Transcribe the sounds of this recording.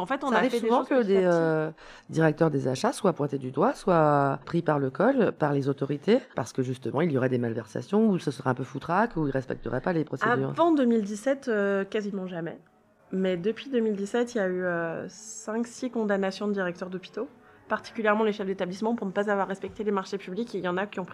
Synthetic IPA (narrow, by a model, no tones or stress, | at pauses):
ɑ̃fɛt̪ɔ̃naʁivfɛsuevɑ̃okəd̪eø | d̪iʁɛk̚t̪œʁd̪ezaʃaswapwɛ̃t̪ed̪yd̪waswapχipaʁləkɔlpaʁlezot̪ɔʁit̪ʰepa̰ʁsə̥kəʒyst̪əmɑ̃iljɔʁɛd̪emalvɛʁsa̰sjɔ̃usəsəʁɛɛ̃pøfut̪χakuilʁɛspɛ̰k̚t̪ə̰ʁɛpalepχɔsead̪yːʁvɑ̃d̪əmild̪isɛt̪økazimɑ̃ʒamɛ̰ | mɛd̪əpɥid̪əmild̪isɛt̪iljayøsɛ̃ksikɔ̃d̪anasjɔ̃d̪iʁɛk̚t̪œʁd̪ɔpi̥t̪o | paʁt̪i̥kʲyljɛʁmɑ̃leʃɛfd̪et̪ablismɑ̃puʁnəpazavwaʁːɛspɛk̚t̪elemaʁʃepyblikejɑ̃nakʲiɔ̃pχi